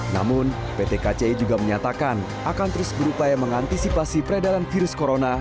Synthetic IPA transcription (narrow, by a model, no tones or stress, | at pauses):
na̰mʊn | pet̪ekat͡ʃeid͡ʒuɡaməɲat̪akan | akant̪əɾʊsbəɾupajaməŋant̪isipasipəɾadalanfiɾʊskoɾona